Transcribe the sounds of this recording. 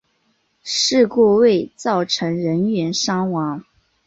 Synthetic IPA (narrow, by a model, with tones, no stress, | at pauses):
ʂɻ̩˥˧kwɔ˥˧we˥˧ɪt͡sɑ˥˩ʊʈ͡ʂʰɤ˧˥ŋɻə˧˥nɥɛ˧˥nʂɑ˥ŋwɑ˧˥ŋ